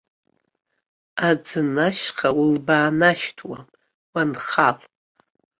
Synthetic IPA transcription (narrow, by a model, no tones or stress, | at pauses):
ad͡zɨnaʃqʰawulbaːnaʃtʰwa | wanχal